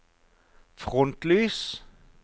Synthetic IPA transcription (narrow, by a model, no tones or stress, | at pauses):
fʁɔnt̪lyːs